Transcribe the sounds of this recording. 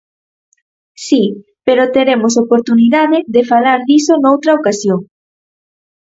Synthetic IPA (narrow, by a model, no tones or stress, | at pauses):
si | peɾot̪eɾemos̬opoɾt̪uniðaðɪðefalaɾðisonowt̪ɾɐokasjoŋ